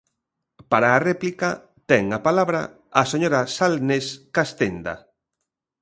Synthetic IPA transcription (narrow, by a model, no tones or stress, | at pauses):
paɾaːrɛplika | t̪ɛŋapalaβɾa̰ | aseɲoɾasalneskast̪end̪a̰